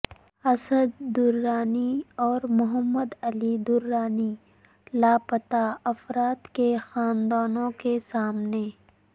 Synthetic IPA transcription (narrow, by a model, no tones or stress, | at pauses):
ɐsəd̪ːʊɾːaːniɔːɾmʊɦəmːəd̪ɐlid̪ʊɾːaːni | laːpɐt̪aɐfɾaːt̪kexaːnd̪aːnõkesaːmne